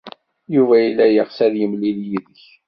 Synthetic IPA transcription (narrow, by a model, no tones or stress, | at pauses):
juvæilːæjəʁsæðjəmliljiðəç